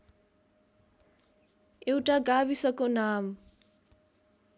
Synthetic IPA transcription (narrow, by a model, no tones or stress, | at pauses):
ewʈaɡabisʌkonam